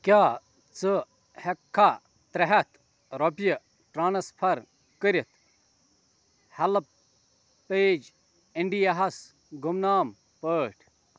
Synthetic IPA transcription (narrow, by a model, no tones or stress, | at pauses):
kʲjaː | t͡sɨ | hekʰːa | t̪ɾɐɦɐt̪ | ɾopjɐ | ʈɾaːnɐspʰɐɾ | kəɾʲit̪ | hɐlɐp | peːd͡ʒ | eɳɖijɐɦɐs | ɡumnaːm | pəːʈʰ